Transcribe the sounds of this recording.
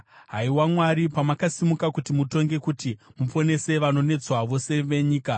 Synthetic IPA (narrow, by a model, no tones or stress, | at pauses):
ɦaiwamwaɾipamakasimukakutimuto̞ŋɡe̞kutimufo̞ne̞se̞ʋano̞ne̞d͡zwaʋo̞se̞ʋe̞ɲiːka